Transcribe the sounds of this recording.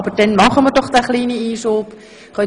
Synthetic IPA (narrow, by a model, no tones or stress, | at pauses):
bərdɛnmɑχəmədɔχdæχliːnəiːsop | χœ